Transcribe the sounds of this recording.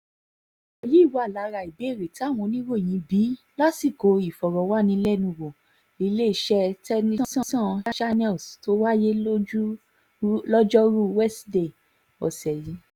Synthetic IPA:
ɛ˨ji˨˦i˦˨wa˨˦a˦˨la˨˦ɾa˧˨i˨be˨˦e˦˨ɾe˨ti˨˦a˦˨w̃ɔ̃˧nĩ˦wo˦˨j̃ĩ˨˧˦bi˨˦ | la˦si˦˨ko˨˧i˨fɔ˨ɾɔ˨˦wa˦nĩ˧˦lɛ˦˨nũ˧˨ɡõ˨ | i˨˧le˦i˨ʃɛ˦tɛ˦nĩ˦sɔ̃˦sɔ̃˦˧˦ʃa˦nɛ˦˨sto˧˦wa˦je˦lo˦d͡ʒu˦ | lɔ˦d͡ʒɔ˦ɾu˦wɛ˦sde˦˨ | ɔ̰˨sɛ˨jĩ˨˧˦

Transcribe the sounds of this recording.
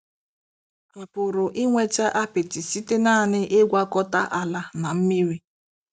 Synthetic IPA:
a˨pʊ˨ɾʊ˨ʔi˦ŋʷe˦t͡ʃa˦ʔa˦pɪ˨tɪ˨si˦te˦naː˦˨nɪ˦ʔe˦ɡʷa˦kɔ˦ta˦ʔa˨la˦na˨m̩˦mi˦ɾi˦

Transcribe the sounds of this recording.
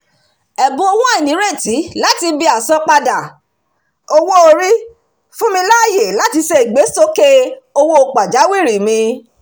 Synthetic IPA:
ɛ˨bõ˨˧o˧wũ˦a˦i˨nĩ˨˦ɾe˦˨ti˨˦la˦ti˧bi˧a˨sɔ̃˧˦k͡pa˧da˨ | o˦wo˦o˧ɾi˦ | fũ˦mĩ˧la˦˨je˨la˦ti˧se˧i˨ɡ͡be˨˦sto˦ke˦o˧wo˦o˧˨k͡pa˨d͡ʒa˨˦wi˦˨ɾi˨mĩ˧

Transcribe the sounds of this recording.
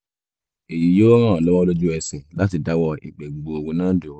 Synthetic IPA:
e˨ji˨˦joː˦ɾ̃ãː˦˨lɔ˦wa˦lo˦d͡ʒu˦ɛ˧sɛ˨la˦ti˧da˨˦wɔ˦˧ḭ˨k͡pɛ˨ɡ͡bo˨o˨ɡũ˨˦nãː˦do˨˦

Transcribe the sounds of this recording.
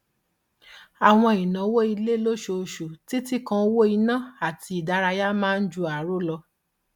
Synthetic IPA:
a˨w̃ɔ̃˧i˨nã˨˦wo˦i˧le˦lo˦ʃo˧ʃu˨ti˦ti˦kã˧˦wo˦i˧nã˦a˨ti˧˨da˧˦ɾa˧ja˦mãː˦n̩˦d͡ʒu˧a˨˦ɾo˦lɔ˧

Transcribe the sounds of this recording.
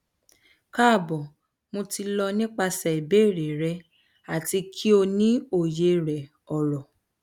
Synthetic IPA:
ka˦˨bɔ˨ | mo˧ti˧lɔ˧nĩ˦k͡pa˧sɛ˨i˨be˦˨ɾe˨ɾɛ˧ | a˨ti˧kʰi˦o˧nĩ˦o˨je˧˦ɾɛ˨ | ɔ˨ɾɔ˨

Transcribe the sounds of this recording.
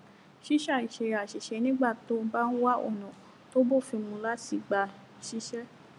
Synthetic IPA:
ʃi˦ʃa˦˨i˨ʃe˨ɾa˨ʃi˨ʃɛ˧nĩ˦ɡ͡ba˦˨to˦ba˦n̩˦wa˦o̰˦˨nɔ̃˨ | to˦bo˦˨fĩ˧mũ˧la˦ti˧ɡ͡ba˧ | ʃi˦ʃɛ˦

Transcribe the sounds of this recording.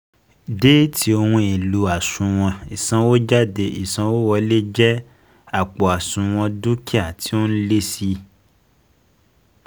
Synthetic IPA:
de˦ti˨˦o˧wũ˧i˨lu˨˦a˨sũ˨w̃ɔ̃˧i˨sã˧˦wo˦d͡ʒa˦˨de˧ʔi˨sã˧˦wo˦wɔ˧le˦d͡ʒɛ˦ | a˨k͡pɔ˨a˨sũ˧w̃ɔ̃˧du˦ki˦a˦˨ti˨˦o˦n̩˦le˦si˧

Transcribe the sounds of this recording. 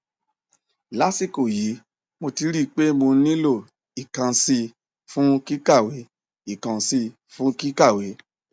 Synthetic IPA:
la˦si˦˨ko˨ji˨˦ | mo˧ti˧ɾi˦˨k͡pe˦mo˧˦nĩ˦lo˦˨ | i˨kã˧si˧ | fũ˦ki˦ka˦˨we˨˦ | i˦˨kã˧si˧ | fũ˦ki˦ka˦˨we˨˦

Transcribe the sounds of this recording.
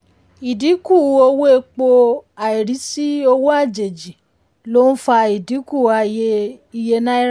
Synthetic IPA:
i˨di˨˦ku˦˨o˧wo˦e˧k͡po˧a˨i˨ɾi˨˦si˦o˧wo˦a˦˨d͡ʒe˨d͡ʒi˨ | lo˦n̩˦fa˧i˨di˨˦ku˦˨a˧je˧i˧je˧nã˦i˦ɾ

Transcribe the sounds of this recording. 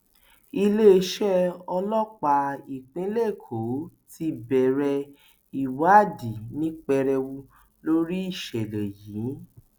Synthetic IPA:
i˧le˦˧ʃɛ˦ɔ˧lɔ˦k͡pa˧i˨k͡pĩ˨˦le˦˨kʰo˨˦ti˧˦bɛ˨ɾɛ˧ | i˨wa˦˨di˨nĩ˦k͡pɛ˧ɾɛ˧wu˧ | lo˦ɾi˦i˦˨ʃɛ˨lɛ˨jiː˨˦

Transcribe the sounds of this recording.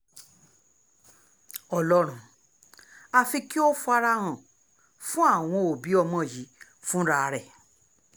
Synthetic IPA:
ɔ˧lɔ˦ɾ̃ũ˨ | a˧fi˧ki˦o˦fu˧a˧ɾa˧ɾ̃ã˨ | fũ˦a˦˨w̃ɔ̃˧o˨bi˨˦ɔ˧mɔ̃˧˦˨ji˨˦ | fũ˦ɾa˦˧ɾɛ˦˨

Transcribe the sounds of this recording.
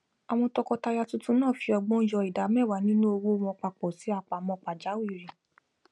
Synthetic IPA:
a˨w̃ɔ̃˧tɔ˧kɔ˧ta˧ja˧tũ˦tũ˦nãː˦˨fi˧ɔ˧ɡ͡bɔ̃˦d͡ʒɔ˧i˨da˨˦mɛ˦˨wa˨˦nĩ˦nũ˦o˧wo˦˧mɔ̃˧k͡pa˧˨k͡pɔ˨si˨˦a˦˨k͡pa˨mɔ̃˧k͡pa˨d͡ʒa˨˦wi˦˨ɾĩ˨

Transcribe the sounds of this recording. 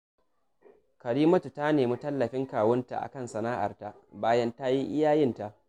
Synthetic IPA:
kɐ˨ɾiː˦mɐ˦tu˨ta˦neː˨mi˦tɐ˦lːɐ˨ɸɪ˦ŋkaː˨wɐ˦nta̰˨ʔa̰˨kɐ˦˨nsɐ˨naː˦ʔa̰˨rta˦ʔbaː˦jɐ˦nta˦ji˦ʔɪ˦jaː˦jɪ˦nta˦ʔ

